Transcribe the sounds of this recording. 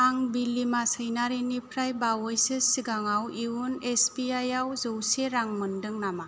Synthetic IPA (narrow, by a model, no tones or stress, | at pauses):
aŋbilːimasəjnaɾinipʰɾajbawɔjsɯsiɡaŋawiunesbiajawzɯwseɾaŋmɯndɯŋnama